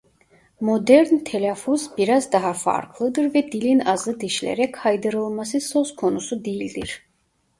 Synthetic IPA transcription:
mod̪ɛɾnt̪ʰɛlʲɛfuzbiɾazd̪aɦafa̰ɾkʰlˠɯd̪ɯɾvɛd̪ilinazɯd̪iʃlɛ̰ɾɛkhajd̪ɯɾɯlˠmasɯsoskʰo̞nusud̪ejilʲd̪iɾ̥

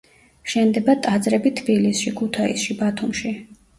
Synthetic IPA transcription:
ʃɛnd̪ɛbat̪ʼad̪zɾɛbit̪ʰbilisʃikʰut̪ʰaḭsʃibat̪ʰumʃi

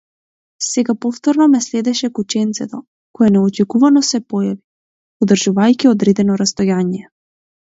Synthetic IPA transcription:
sɛɡapɔft̪ɔɾnɔmɛslɛd̪ɛʃɛkut͡ʃɛnt̪sɛt̪ɔ | kɔjɛnɛɔt͡ʃɛkuvanɔsɛpɔjavi | ɔd̪r̩ʒuvajciɔd̪ɾɛd̪ɛnɔɾast̪ɔjaɲiɛ

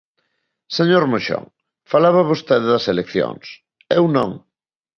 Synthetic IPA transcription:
seɲoɾmoʃo̰ŋ | falaβɐβost̪eðeðɐselekθjo̰ŋs | ewnõ̰ŋ

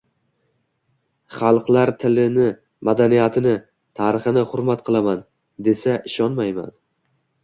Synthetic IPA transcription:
χɑlˠqlˠaɾt̪ʰɪlɪnɪ | mad̪anijat̪ʰɪnɪ | t̪ʰaːɾɨχɨnɪχʊɾmat̪qʰɨlˠaman | d̪e̞saʔɪʃɒnmajma̰n

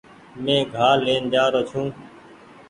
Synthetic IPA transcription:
mẽːɡʱaːleːnd͡ʒaːɾot͡ʃʰũː

